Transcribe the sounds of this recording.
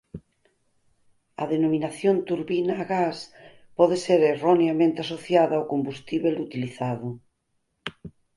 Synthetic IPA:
a̰ðenominaθjont̪uɾβinaːɣas | pɔðeseɾeroneamẽnt̪easoθjaðaːwkombust̪iβelut̪iliθaðo

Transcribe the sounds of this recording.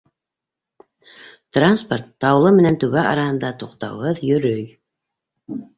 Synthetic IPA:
t̪ransport̪ːɑwlˠɤmɘ̆nænt̪ʉβæʔɑɾɑhɤ̆nd̪ɑt̪uqt̪ɑ̰wʁɤðjɵ̆ɾɵj

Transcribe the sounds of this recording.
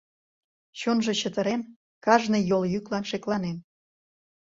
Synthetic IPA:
t͡ɕonʒe̽t͡ɕət̪əɾen | kɑʒnejoljyklɑnʃeklɑnen

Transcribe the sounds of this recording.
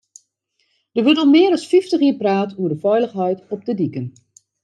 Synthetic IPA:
d̥əʋɵtɔmːɪəɾɔsfiftəxiːpraːtuədəfɛjləxɦɛjtɔp̚tədikən

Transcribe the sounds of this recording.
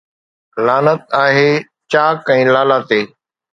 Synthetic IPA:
laːnət̪aːɦeː | t͡ʃaːkɛ̃ːlaːlaːt̪eː

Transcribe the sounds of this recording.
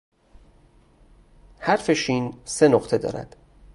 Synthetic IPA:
hæɾfe̞ʃiːnse̞noqt̪ʰe̞d̪ɒ̰ːɾæ̰d̪̥

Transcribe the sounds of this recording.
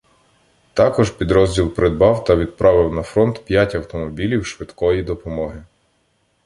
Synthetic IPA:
t̪ɑkɔʒpʲid̪ɾɔzʲdʲilˠpɾed̪̚bɑwt̪ɐʋʲid̪̚pɾʔɑʋɪwnɐfɾɔnt̪pʲjatʲɐwt̪ɔmɔbʲilʲiwʃʋɪd̪kɔjid̪ɔpɔmɔɦɪ

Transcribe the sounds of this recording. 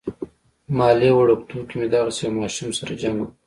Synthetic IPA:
mɑːlewaɽukt̪ukimed̪ɑɣasejmɑːʃumsaɾad͡ʒaŋɡu

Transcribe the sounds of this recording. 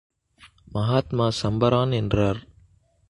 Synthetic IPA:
mɐɦaːt̪maːsɐmbɐɾaːnɛndraːɾ

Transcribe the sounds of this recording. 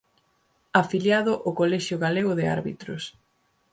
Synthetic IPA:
afiljaðʊʔokolɛʃjʊɣaleɣʊðɪa̰ɾβḭt̪ɾʊs

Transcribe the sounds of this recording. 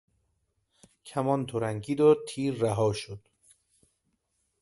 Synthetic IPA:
cʰæmɒːnt̪ʰoɾæŋɡiːd̪ɒːɾ̚t̪ʰiːɾːæɦɒːʃod̪̥

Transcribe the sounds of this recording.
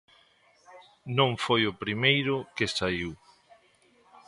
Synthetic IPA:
nõŋfojʊpɾimejɾʊkesaiw

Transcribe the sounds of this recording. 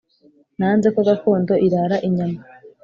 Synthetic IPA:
nanzekoɡakoːndo̞ʔiɾaɾaʔiɲama

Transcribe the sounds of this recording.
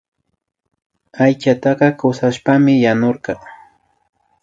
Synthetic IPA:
ajt͡ʃat̪ɑqɑkawsaʃpamɪjanoɾqɑ

